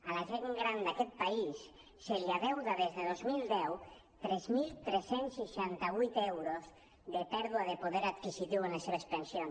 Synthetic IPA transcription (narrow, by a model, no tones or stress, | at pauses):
alaʒeŋɡɾand̪akɛt̪̚paisː | eʎaðewðaðezðeð̞ozmild̪ɛw | t̪ɾɛzmilt̪ɾesensiʃant̪aβujt̪ewɾoz | ðepɛɾðuaðepoðeɾat̪kisit̪iwenaseβaespensjon